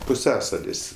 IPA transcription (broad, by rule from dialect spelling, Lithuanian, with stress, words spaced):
pʊˈsʲæːsɐlʲɪs